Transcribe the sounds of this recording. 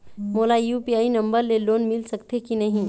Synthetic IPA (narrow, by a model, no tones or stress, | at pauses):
molajupiaːinə̃mbəɾleloːnmɪlsəkt̪ekinɐɦĩ